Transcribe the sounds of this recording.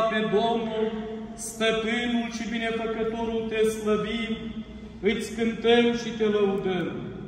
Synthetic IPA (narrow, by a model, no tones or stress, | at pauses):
ped̪omnulst̪əpɨnulʃibine̞fəkət̪oɾult̪esləbim | ɨt̪sʲkɨnt̪əmʃit̪e̞ləud̪əm